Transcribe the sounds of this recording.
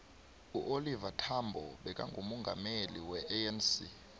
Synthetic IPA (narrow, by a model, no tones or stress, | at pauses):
uʔolivatʰambʱɔ̰ɓɛkʼa̰ŋɡʱumɔŋɡʱa̰meliwɛʔɛɛnsi